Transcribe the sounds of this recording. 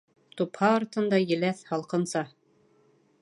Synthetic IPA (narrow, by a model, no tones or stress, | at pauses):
t̪uphɑːɾt̪ɤ̆nd̪ɑjɘ̆læθhɑlˠqɤ̆nsɑ